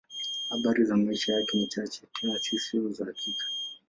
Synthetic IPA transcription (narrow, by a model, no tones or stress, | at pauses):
haɓaɾizamaiʃajakɛnit͡ʃat͡ʃɛ̥tʰiat͡ʃisiuzakikʰḁ